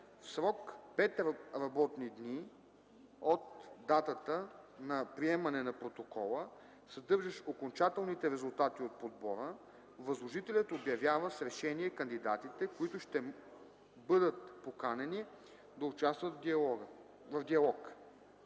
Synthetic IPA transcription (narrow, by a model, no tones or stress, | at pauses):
fsɾɔkpɛt̪ɾɐbɔt̪nid̪ni | ot̪d̪at̪ət̪ənɐpɾiɛmɐnɛnɐpɾot̪okɔlˠə | sɐd̪ɤɾʒɛʃokont͡ʃat̪ɛlˠnit̪ɛɾɛzʊlˠt̪at̪iot̪̚pod̪̚bɔɾə | vɐzlˠoʒit̪ɛlʲɐt̪objɐvjavəsɾɛʃɛniɛkɐnd̪id̪at̪it̪ɛkoit̪ʊʃt̪ɛ | bɤd̪ət̪̚pokanɛni | d̪ɐʊt͡ʃast̪vət̪ɔɡ | vɐvd̪iɐlˠɔk